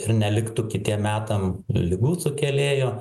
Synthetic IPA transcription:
ɪrnʲɛlʲɪkt̪uːkʲɪt̪ʲiɛmmʲæːt̪ɐmlʲɪɡuːsʊkʲɛlʲeːjoː

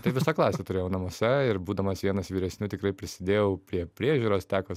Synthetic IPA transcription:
t̪ɐɪʋʲɪsɑklˠɑːsʲeːt̪ʊɾʲeːjɛʊnɐmoːsʲɛɪɾbuːd̪ɐmɐsʋʲiɛnɐsʋʲiːɾʲɛsʲnʲuːt̪ʲɪkrɐɪpʲɾʲɪsʲɪd̪ʲeːjɛʊpʲɾʲiɛpʲɾʲiɛʒʲuːɾoːst̪ʲæːko

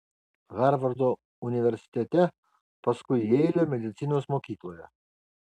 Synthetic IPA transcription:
ɣɑɾʋɐɾd̪o | ʊnʲɪʋʲɛɾʲsʲɪ̥t̪ʲɛt̪ʲɛ | pɐskʊɪɛɪlʲomʲɛd̪ʲɪt̪sʲɪnoːsmoːkʲiːklˠoːjɛ̰

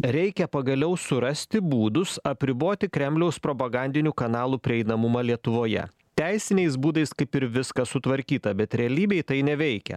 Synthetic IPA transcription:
ɾʲɛɪkʲɛpɐɡɐlʲɛʊsʊɾɐsʲt̪ʲɪbuːd̪ʊsɐpʲɾʲɪboːt̪ʲɪkɾʲɛmʲlʲɛʊspɾoːpɐɡɐnʲd̪ʲɪnʲuːkɐnɑːlˠuːpʲɾʲɪɛɪnɐmʊmɐlʲiɛt̪ʊʋoːjɛ̰ | t̪ʲæɪsʲɪnʲɛɪs̬buːd̪ɐɪskɐɪpɪɾʋʲɪskɐsʊt̪ʋɐɾʲkʲiːt̪ɐbʲɛt̪ɾʲɛɐlʲiːbʲɛɪt̪ɐɪnʲɛʋʲɛɪkʲɛ̰

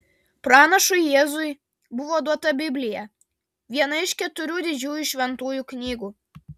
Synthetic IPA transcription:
pɾɑːnɐʃʊjeːzʊj | bʊʋoːd̪uɔt̪ɐbʲɪbʲlʲɪjɛ | ʋʲiɛnɐɪʃʲkʲɛt̪ʊɾʲuːd̪ʲɪd͡ʒʲuːjuʃʲʋʲɛnt̪uːjuːknʲiːɡuː

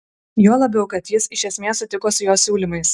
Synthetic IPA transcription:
joːlˠɐbʲɛʊkɐt̪jɪsɪʃʲɛsʲmʲeːssʊt̪ʲɪkoːsʊjoːsʲuːlʲimɐɪs

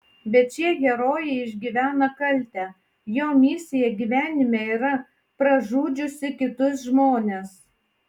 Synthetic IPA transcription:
bʲɛt̪̚t͡ʃʲiɛɡʲɛɾoːjɛɪɪʒʲɡʲiːʋʲæːnɐkɐlʲt̪ʲɛː | joːmʲɪsʲɪjɛɡʲiːʋʲæːnʲɪmʲeːiːɾɐ | pɾɐʒuːd͡ʒʲʊsʲɪkʲɪt̪ʊs̬ʒmoːnʲeːs

